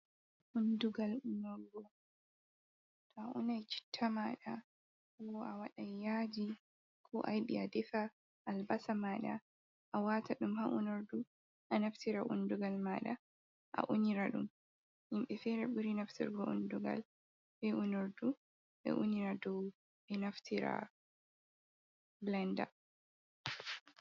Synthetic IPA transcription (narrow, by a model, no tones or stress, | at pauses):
ʔunduɡalunɔɾɡɔ | tɔaʔṵnajt͡ʃi̥tʰːamaɗa | wɔʔawaɗajːad͡ʒi | kʰɔʔajɓḭadɛfa | ʔːlbasamaːɗa | ʔawaːtaɗumhaʔunoɾdu | ʔanaftiɾaʔṵnduɡalmaɗa | ʔa̰ʔuniɾaɗum | himɓɛfɛɾɛbuɾinaftḭɾɡɔunduɡa̰l | bɛʔunoɾdu | bɛ̰ʔuniɾadɔw | bɛnaftʰiɾa̰ | blɛnda̰